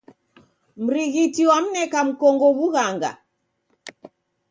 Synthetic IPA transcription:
m̩ɾiɣitiwam̩nɛkam̩kɔŋɡɔβuɣaŋɡa̰

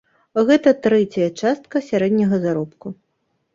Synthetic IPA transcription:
ɣɛt̪ɐt̪ɾɛt͡sʲɐjɐt͡ʂast̪̚kɐsʲaɾɛd̪ʲnʲɐɣɐzaɾɔpku

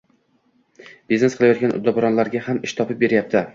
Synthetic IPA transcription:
b̥izne̞sqʰɨlˠajɒt̪̚ɡʲanʔʊ̰d̪ːɒbʊɾɒnlaɾɡʲahamɪʃt̪ʰɒpɪp̚be̞ɾjap̚t̪ʰɪ

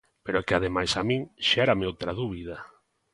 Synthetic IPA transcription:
peɾokeaðemajsamĩŋʃɛɾameowt̪ɾaðuβið̞a

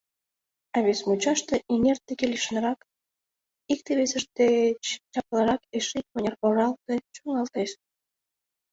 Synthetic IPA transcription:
ɑβesmut͡ɕɑʃt̪eʔenʲert̪ːekelʲiʃə̆nɾɑk | ik̚t̪eβesəʃt̪et͡ɕt͡ɕɑplˠɑɾɑkeʃik̪̚ponʲerpoɾɑlt̪et͡ɕoŋɑlt̪eʃ

